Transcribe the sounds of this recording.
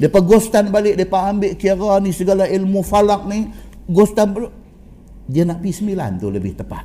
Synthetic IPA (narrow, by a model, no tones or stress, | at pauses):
dapaɡɔst̪anbalɪʔ̚diapaːmbɪʔkiaɾanisəɡalailmufalak̚niɡɔst̪anbl | diənaʔpisəmila̰nt̪uləbɪht̪əpa̰t̪̚